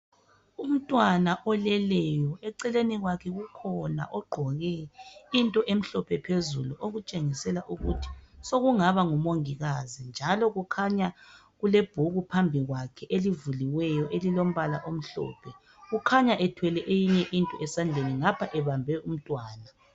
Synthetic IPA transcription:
um̩tʼwanaʔɔlɛlɛjɔɛǀɛleniɣwakʰɛɣukʰɔna̰ʔɔɡ͡ǃʱɔɣɛintʼɔʔem̩ɬɔpʰɛpʰezṵluʔoɣut͡ʃʼeŋisɛlaʔuɣutʰi̥soɣuŋaβaŋumoŋiɣazind͡ʒʱalɔɣukʰaɲa | ɣuleb̥ʱuɣupʰambʱiɣwakʰɛʔelivuliwɛjɔʔelilom̩βalaʔom̩ɬɔ̰ːpʰɛ | ɣukʰaɲaʔɛtʰwɛlɛʔejiɲɛʔintʼɔ̰ʔɛsand͡ɮʱeniŋapʰaʔɛβambʱɛum̩tʼwaːna

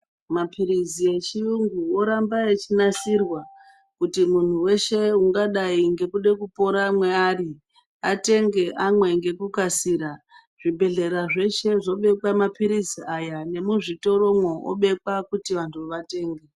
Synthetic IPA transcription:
mapʰiɾizie̞t͡ʃijuŋɡuo̞ɾambaet͡ʃinasirwa | kutimun̤uwe̞ʃe̞uŋɡaɗaiŋɡe̞kuɗe̞kupo̞ɾamwe̞aːri | ate̞ŋɡe̞ʔamwe̞ŋɡe̞kukasiɾa | ʐ̥ibʱe̞ɮe̞ɾaʐe̞ʃe̞ʐo̞ɓe̞kwamapiɾiziajane̞muʐito̞ɾo̞mwoʔo̰ɓe̞kwakutiʋantʰuʋate̞ːŋɡe

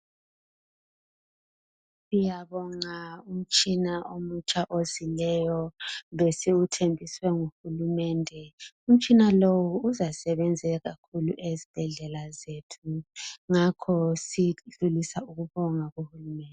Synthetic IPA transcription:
sijaβɔŋaum̩t͡ʃʼinaomut͡ʃʰʼaʔozilɛjɔβesiutʰembʱiswɛŋuhulumɛːndʱɛum̩t͡ʃʼinalowuːzasɛβɛnd͡zʱɛɣakʰulṵʔezib̥ʱɛɮɛlazetʰuŋakʰɔsiɮulisauɣuβɔŋaɣuhulumɛndʱɛ

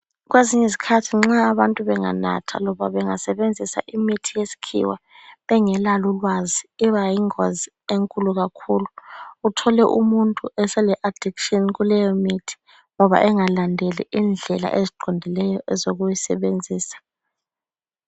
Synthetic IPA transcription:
ɣweziɲɛzikʰatʰiŋ͡ǁaːβantʼuβɛŋa̰na̰tʰa̰lɔβaβɛŋasɛβend͡zʱisa̰ʔimitʰijesi̥kʰḭwa | βɛŋɛlalulwaziiβajiŋwa̰zi | eŋkʼuluɣakʰuluːtʰɔlɛʔumuntʼuɛsɛlɛʔad̥ʱikʃɔnɣulɛjɔmitʰi̥ | ŋɔβa̰ʔɛŋalandʱelḭʔind͡ɮʱɛla̰ʔeziǃɔndʱilɛjɔʔɛzoɣujisɛ̰βend͡zʱiːsḁ

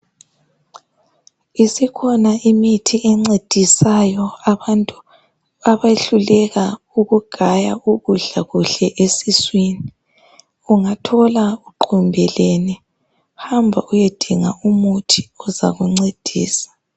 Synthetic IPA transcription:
isikʰɔnaʔimitʰiɛŋ͡ǀed̥ʱisajɔaβantʼu | aβaeɬulɛɣa | uɣuɡ̥ʱajauɣuɮaɣuɬɛʔesiswini | uŋatʰɔlauǃʰumbʱɛleni | hambʱa̰ujed̥ʱiŋaumutʰiɔza̰ɣuŋ͡ǀed̥ʱḭːsḁ

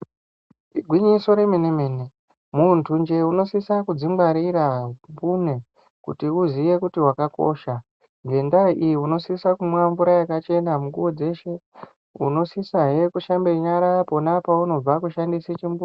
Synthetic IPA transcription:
iɡʱwiɲiso̞ɾeminemeːne | muntʰund͡ʒe̞uno̞sisakud͡zimɡ͡baɾiɾambune | kṵtiuzije̞kutiɦwakako̰ːʃa | ŋɡe̞ndaiʔijiuno̞sisakumwaɱvuɾajakat͡ʃe̞namuŋɡuwod͡ze̞ʃe̞ | ṵno̞sisaɦe̞kuʃambeɲaɾapo̞napauno̞b͡vakuʃandiset͡ʃimbun

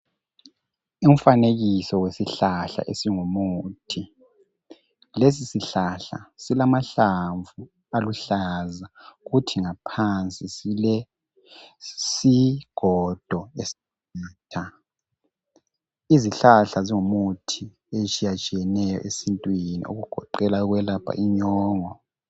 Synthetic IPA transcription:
um̩faneɣisɔwesiɬaɬa̰ʔesiŋumutʰi | les̬isiɬaɬa̰silamaɬaɱvu | aluɬazaɣutʰiŋapʰant͡sʼislɛ | siɡ̥ʱɔd̥ʱɔesi̥ | aːtʰa | iziɬaɬaziŋumutʰi | et͡ʃʼijat͡ʃʼijɛnɛjɔ̰ʔesintʼwinḭo̰ɣuɡ̥ʱɔ̰ǃɛlaɣwɛlapʰa̰ʔiɲɔːŋɔ

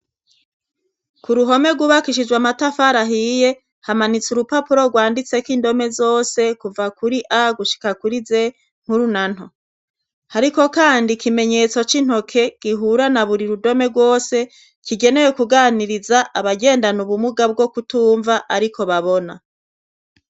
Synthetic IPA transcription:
kuɾuɦo̞me̞ɡuβakiʃid͡ʒwamatafaɾaɦije̞ | hamanit͡suɾupapuɾo̞ɡwaːndit͡se̞kiːndo̞me̞zo̞ːse̞kuvakuɾiʔaɡuʃi̥kakuɾize̞ | ŋ̥huɾunan̥o | haɾiko̞kaːndikime̞ɲe̞t͡so̞t͡ʃin̥ho̞kʰe̞ɡ̥iɦuɾanaβuɾiɾudo̞me̞ɡwo̞ːse̞ | kiɡe̞ne̞je̞kuɡaːniɾizaʔaβaɡe̞ːndanuβumuɡab̚ɡo̞kutuːɱvaʔaɾiko̞βaβona

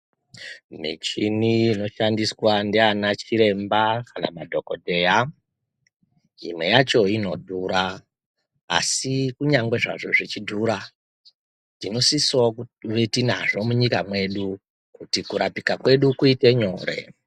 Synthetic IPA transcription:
mḭt͡ʃiniino̞ʃandiswandianat͡ʃiɾe̞mbakana̰madʱo̞ko̞dʱe̞ja | imwe̞jat͡ʃo̞ino̞̰dʱuɾa̰ː | sikuɲaŋɡwe̞ʐa̰ʐo̞ʐit͡ʃidʱuːɾa | dino̞sisokuʋetina̰ʐo̞muɲikamwe̞ɗu | kutikuɾapikakwe̞ɗukuite̞ɲo̞ːɾe̞̰

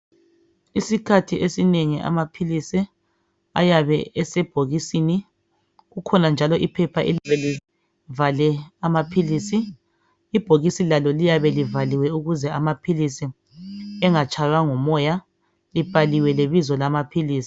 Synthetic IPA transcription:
isikʰatʰiʔesineŋiʔa̰mapʰilisi | a̰jaβɛɛsɛb̥ʱoɣisini | ɣukʰɔnand͡ʒʱalɔʔipʰɛpʰaʔelβɛli | valɛamapʰilisiː | b̥ʱoɣisilalɔlijaβɛlivaliwɛuɣuzɛamapʰilisi | ɛŋat͡ʃʼʰajwaŋɔmɔja | lib̥ʱaliwɛleβizɔlamapʰiliːsi̥

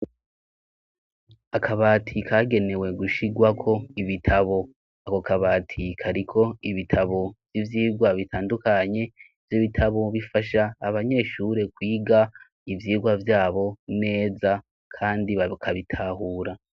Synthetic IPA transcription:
akʰaβaːtʰikʰaːɡe̞ne̞we̞ɡuʃiɡwakʰo̞iβitʰaβo̞ | ako̞kaβaːtʰikʰaɾikʰo̞iβitʰaβo̞v̥jivjiːɡwaβitʰaːndukaɲe̞ | vjiβitʰaβo̞βifaʃaːβaɲe̞ːʃuɾe̞kwiːɡa | ivjiːɡwavjaːβo̞ne̞ːza | kʰaːndiβakʰaβitʰaːhuːɾa

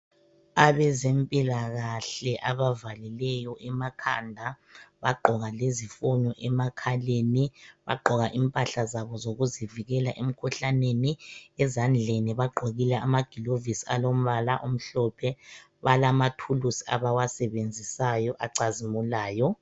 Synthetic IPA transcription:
aβɛzempʼilaɣaɬɛʔaβavalilɛjɔʔɛmakʰa̰ndʱa | βaɡ͡ǃʱɔɣalezifɔɲɔʔɛmakʰaleniβa̰ɡ͡ǃʱɔɣaʔimpʼaɬazaβɔzoɣuziviɣɛlaʔem̩kʰuɬaneniɛzand͡ɮʱeniβaɡ͡ǃʱoɣilɛamaɡ̥ʱilovisialom̩βalaʔom̩ɬɔpʰɛ | βalamatʰulusi̥a̰βawasɛβend͡zʱisajɔʔaǀazimulaːjɔ

